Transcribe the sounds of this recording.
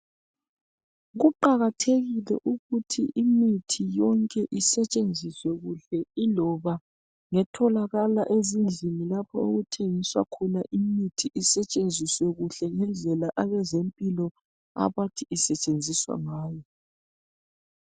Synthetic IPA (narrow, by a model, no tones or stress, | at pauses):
ɣuǃaɣatʰeɣilɛ̰ʔuɣutʰiʔimitʰijɔŋkʼɛʔisɛt͡ʃʼend͡zʱiswɛɣuɬɛilɔβa | ŋɛtʰɔlaɣalaʔezind͡ɮʱinilapʰɔoɣutʰeŋiswa̰kʰɔnaʔimitʰiʔisɛt͡ʃʼend͡zʱiswɛɣuɬɛŋɛnd͡ɮʱɛlaʔaβɛzempʼilɔ | a̰βatʰiʔisɛt͡ʃʼend͡zʱiswa̰ŋaːjɔ